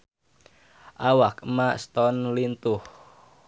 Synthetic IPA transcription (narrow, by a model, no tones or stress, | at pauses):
ʔawakmast̪ɔnlint̪ʊh